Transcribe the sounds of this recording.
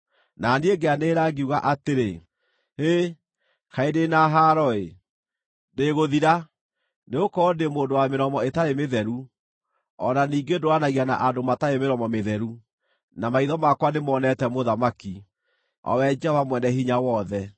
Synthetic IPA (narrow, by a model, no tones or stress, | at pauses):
nanieɡeaneːɾaŋɡeuɣaʔateɾe | e | kaedenaɦaɾɔe | deɣoðiɾa | neɣokɔndemoːndowameɾɔmɔetaemeðɛɾu | ɔ̰naniːŋɡedoanaɣiana̰ʔadomataemeɾɔmɔmeðɛɾu | namaiðɔmakwanemɔːnɛtɛmoðamaki | ɔ̰wɛd͡ʒɛhɔvamwɛnɛɦiɲawɔðɛ